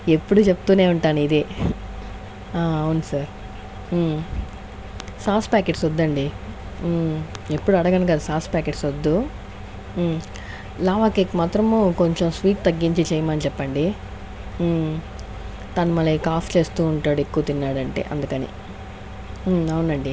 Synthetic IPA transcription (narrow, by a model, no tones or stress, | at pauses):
epːuɽut͡ʃepːut̪uːne̞ːuɳʈaːnuid̪e | aɐwunsaːɾ | saːspaːkeʈsod̪ːɐɳɖi | e̞pːuɽuɐɽɐɡɐnukɐd̪ɐsaːspaːkeʈsod̪ːu | laːʋaːkekimaːt̪ɾɐmko̞ɲt͡ʃe̞msʋiːʈ̚t̪ɐɡːiɲt͡ʃit͡ʃɛjɐmɐnit͡ʃɛpːɐɳɖi | t̪anumɐlːikaːpʰt͡ʃe̞ːst̪uːuɳʈaːɽuekːuːt̪inːaːɽɐɳʈe̞̰ːʔɐnd̪ukɐnḭ | ɐwunɐɳɖi